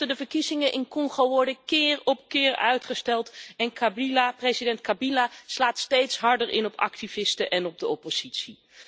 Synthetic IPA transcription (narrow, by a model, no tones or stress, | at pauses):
tədəvəɹkizɪŋəʔɪnkɔŋχoʋɔɹdəkɪːrɔp̚kɪːɹœ̰ɥtχəstɛlˠtɛnkabilaprezidɛntkabilaːslaːtstejtsɦɑɹdəɹʔɪnɔpɑ̰k̚tivɪstəʔɛnɔb̚dəɔpoz̥itsi